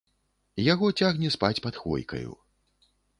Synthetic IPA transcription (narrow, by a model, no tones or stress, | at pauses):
jaɣɔt͡sʲaɣnʲɛspat͡sʲpat̪xɔ̰jkɐ̰jṵ